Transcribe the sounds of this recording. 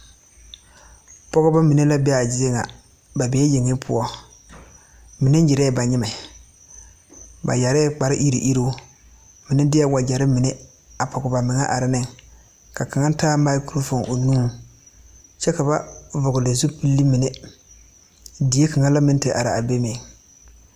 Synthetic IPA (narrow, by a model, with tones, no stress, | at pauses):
pɔ˦ɣʊ˦ba˦mi˨ne˦la˦bɛ˦a˨d͡ʒɪ˦je˦ŋa̰˨ | ba˨bɛː˨˦je˨ŋːɪ˦pʰʊ̰˦ɔ˦ | mɪ˨ne˦n˦d͡ʒɪ˨ɾɛ˦˨ba˨ɲɪ˦ma˨ | ba̰˨ja˨ɾɛ˦k͡pa˨ɾɪ˦ʔi˦ɾḭ˨ʔi˦ɾo˦ | mɪ˨nɪ˦dɪ˦a˦wa˨d͡ʒa˨ɾɪ˦mɪ˨ne˦ | a˨pʰɔ˨ɡʊ˨ba˨mɪ˨ŋa˦ʔa˨ɾɪ˦nɪ˦ŋ | ka˨ka˨ŋa˦n˦taː˦ma˦ku˦ɾo˦fo˨ŋʔo˨nuː˦ | t͡ʃɛ˦ka˨ba˦vʊ˨ɡʊ˨le˨zu˦pi˦lːi˦mɪ˨ne˦ | di˨e˦ka˨ŋa˦la˦mɪ˦n˦te˨ʔa̰˨ɾɪ˨a˨be˦me˨